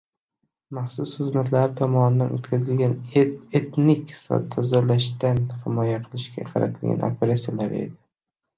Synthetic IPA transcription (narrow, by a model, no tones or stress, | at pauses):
maχsʊsχɨzmat̪ʰlaɾɪt̪ʰɒmɒnɪd̪anot̪kʲʰazɪlɡʲanet̪nɪkʲsɒ̰t̪ʰɒzalaʃt̪anhɪmɒjaqʰɨlˠɪʃkʲa̰qʰɑɾa̰t̪ʰɪlɡʲa̰nʔopʰeɾasijalaɾe̞̰d̪ɪ